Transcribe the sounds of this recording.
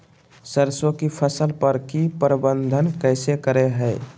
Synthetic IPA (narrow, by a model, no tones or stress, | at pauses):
səɾsokipʰəsəlpəɾkipɾəbənd̪ʱənkəsekəɾeɦəɪ